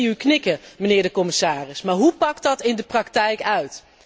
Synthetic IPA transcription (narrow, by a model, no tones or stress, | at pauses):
yknɪkəmənɪːɹdəkɔmɪsaːrɪsmaːɹɦupɑk̚tɑtɪndəprɑktɛjkœɥt